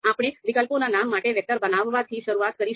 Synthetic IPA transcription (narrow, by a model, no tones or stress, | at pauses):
apɽ̃eʋikəlponanamːaʈeʋjək̚t̪əɾbənaʋːat̪ʰiʃəɾuat̪kəɾi